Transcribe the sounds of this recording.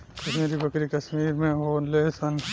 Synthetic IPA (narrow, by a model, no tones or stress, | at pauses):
kɐʃmiːɾibɐkɾikɐsmiːɾmẽɦoːnlesɐn